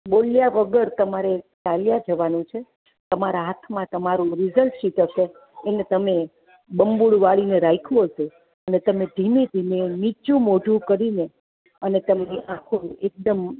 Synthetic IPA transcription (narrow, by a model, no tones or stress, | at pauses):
boljaʋəɡəɾt̪əmaɾet̪aljad͡ʒəʋanũt͡ʃʰe | t̪əmaɾaɦat̪ʰmãt̪əmaɾũɾizəlʃiʈɦəʃeː | net̪əme | bəmbuɭʋaɭineɾajkʰũɦəse | ənet̪əmed̪ʱimed̪ʱimenit͡ʃũmoɖʱũkəɾine | ənet̪əmniʔãkʰuek̚d̪əm